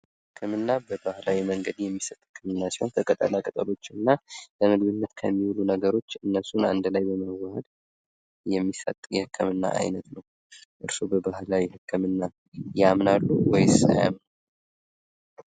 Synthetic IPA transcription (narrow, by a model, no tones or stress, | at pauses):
hhɨkʰːɨmɨnːabəbahlawiməŋɡəd̪jɛmːisət̪ʼhɨkʰːɨmɨnːasiho̞̰nt̪ʰəkʼət̪ʼə̰lakʼət̪ʼəlo̞t͡ʃːɨnːaləmɨɡɡɨnːət̪kʰəmːiwlunəɡəɾo̞t͡ʃːɨnːəsuna̰nd̪lajbəməwəhəd̪ | jɛmːisə̰t̪ʼjɛhɨkʰːɨmɨnːa̰ʔa̰jnət̪nəw | ʔɨɾsubəbahlawihɨkʰːɨmɨnːa | jamnalːuwɔjsa̰ja̰mnə